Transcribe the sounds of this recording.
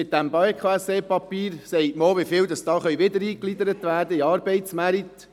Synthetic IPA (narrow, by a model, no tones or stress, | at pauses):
ɪt̚d̥æmbɑekʰχoɛseːpɑpiːɾsɛɪtmoːʋɪfɪːldɑsd̥ɑːχœɥʋɪdəɾiːklidəɾətʋæːrdəiɑːɾbɛɪtsmæɾit̪